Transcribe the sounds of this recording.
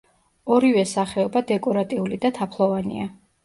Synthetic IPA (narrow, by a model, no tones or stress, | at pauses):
ɔɾivɛsaχɛɔbad̪ɛkʼɔɾat̪ʼiulid̪at̪ʰapʰlˠɔvanḭa